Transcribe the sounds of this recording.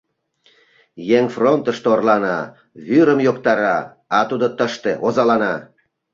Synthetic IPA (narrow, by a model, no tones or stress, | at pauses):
jeŋfront̪əʃt̪orlɑnɑ̰ | βyɾəmjokt̪ɑɾɑ | ɑt̪ud̪ot̪əʃt̪eʔozɑlɑnɑ